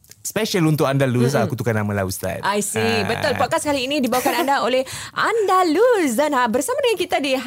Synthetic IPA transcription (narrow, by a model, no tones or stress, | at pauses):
spɛʃəlunt̪ʊʔkandalus̬akut̪ukanamãlaust̪a̰tʔajsibət̪ʊlpɔt̚kashaliːnidibawakanandaolɛhʔandalusdanabərsamadəŋãnkit̪adiɦ